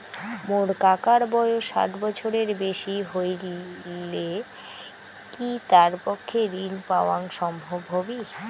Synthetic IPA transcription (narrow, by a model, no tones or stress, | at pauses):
moɾkakaɾbɔeoʃa̰t̪bɔt͡ɕʰoɾeɾbeʃiɦojɾile | kit̪aɾpɔkʰːeɾinpaoaŋʃɔmbʱobʱobi